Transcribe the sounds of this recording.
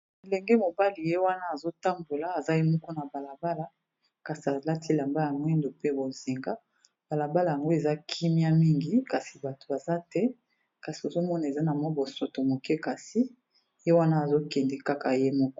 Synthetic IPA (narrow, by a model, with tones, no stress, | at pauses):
e˨lɛ˨ŋɡe˦mo˨ba˦li˨je˦wa˦na˦a˨zo˦ta˦mbo˨la˨˦a˨za˦je˦mɔ˦kɔ˦na˨ba˨la˨ba˦la˨ | ka˨si˨a˨la˦tʰi˦la˨mba˦ja˨ŋɡɛ˦ndo˨pe˦bo˨zi˨ŋɡa˦ | b̥a˨la˨ba˦la˨ja˨ŋɡo˦e˨za˦kʰi˦mi˦a˦mi˦ŋɡi˦ka˨si̥˨ba˨to̥˨a˨za˦tɛ˦ | ka˨si˨o˨zo˦mɔ˦na˨e˨za˦na˨mɔ˦bo˨so˨to˨mo˨kɛ˦ka˨si˦ | je˦wa˦na˦a˨zo˦kɛ˨ndɛ˨ka˦ka˨je˦mɔ˦kɔ̥˦